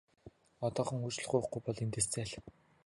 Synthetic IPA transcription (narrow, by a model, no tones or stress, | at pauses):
ɔt̪ɔːχɞ̆ŋujt͡ɕ̆ɮə̆χɢujʊ̆χɡujpɔɮent̪eːst͡sæːɮ